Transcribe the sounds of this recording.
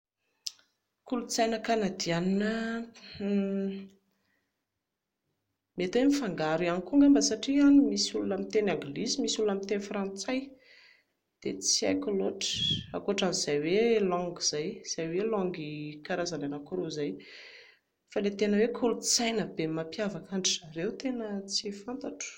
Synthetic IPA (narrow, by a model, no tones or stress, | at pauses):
kulut͡sajnəkanad̪ianinə | met̪wemifaŋɡaɾianikuŋɡəmbasaʈ͡ʂianimisulunamit̪enaŋɡlizimisulunamit̪enifrãnt͡saj | d̪̥et͡sia̰kʲuloʈ͡ʂə̥a̰koaʈ͡ʂanizajwelɔ̃ŋɡiz̥ajz̥ajwelɔ̃ŋɡikaɾazananakuɾuzaj | falet̪enəwekʰulut͡sajnəbemapiavakaɳɖ͡ʐizaɾewt̪enət͡sifant̪aʈ͡ʂə̥